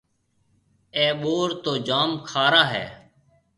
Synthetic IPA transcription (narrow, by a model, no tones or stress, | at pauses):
eːɓoːɾt̪oːd͡ʒaːmkʰaːɾaːɦɛ̰ː